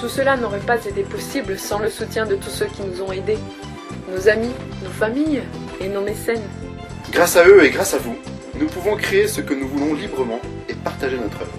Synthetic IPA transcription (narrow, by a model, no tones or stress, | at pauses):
t̪usəlanɔʁɛpazet̪epɔsibləsɑ̃ləsut̪jɛ̃d̪ət̪usøkʲinuzɔ̃ed̪e | nozami | nofamij | enomesɛn | ɡʁasaøeɡʁasavu | nupuvɔ̃kχeːsəkənuvulɔ̃libʁəmɑ̃ | epaʁt̪aʒenɔt̪χœ̰vʁ